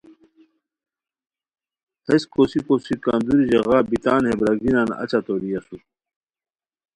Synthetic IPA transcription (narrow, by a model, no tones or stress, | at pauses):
heskosikosikaːnd̪uɾid͡ʑeɣaːbit̪aːnhebɾɐɡɡinaːnɐ̰t͡ɕat̪oɾijɐsu